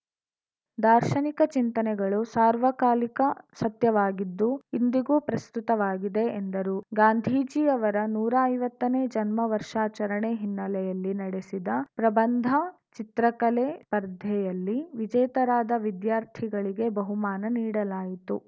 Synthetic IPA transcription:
d̪aːɾʃɐnikɐt͡ʃint̪ɐnɛɡɐɭusaːɾʋɐkaːlikɐsɐt̪jɐʋaːɡid̪ːuind̪iɡuːpɾɐst̪ut̪ɐʋaːɡid̪e̞ːnd̪ɐɾuːɡaːnd̪ʱiːd͡ʒiɐʋɐɾɐnuːɾɐɐjʋɐt̪ːɐneːd͡ʒɐnmɐʋɐɾʂaːt͡ʃɐɾɐɳeɦinːɐlɛjɐlːinɐɽesid̪ɐpɾɐbɐnd̪ʱɐ | t͡ʃit̪ɾɐkɐleːpɐɾd̪ʱɛjɐlːiʋid͡ʒɐjt̪ɐɾaːd̪ɐʋid̪jaːɾt̪ʰiɡɐɭiɡe̞bɐɦumaːnɐniːɽɐlaːjit̪u

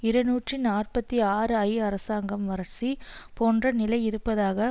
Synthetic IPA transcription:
ɪɾɐnuːʈrinaːrpɐt̪ːiaːɾɯɐjɐɾɐsaːŋɡɐmʋɐɾɐɾt͡ʃipoːndrɐnɪlɐɪɪɾɯpːɐðaːɣɐ

